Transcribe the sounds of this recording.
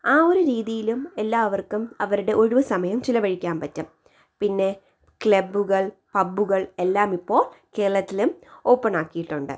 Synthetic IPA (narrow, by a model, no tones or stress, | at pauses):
aːo̞ɾuɾiːðijilume̞lːaːʋɐrkumɐʋɐɾuɽe̞ʔo̞ɻuʋɐsɐmɐjɐmt͡ɕilɐʋɐɻikʲːaːnpɐtːɨ | pinːe̞ | kɭebːuɣɐɭpɐbːuɣɐɭe̞lːaːmipːo̞ːɭke̞ːɐɭɐt̪ːilumo̞ːpːɐnaːkːijiʈːuɳɖɨ̰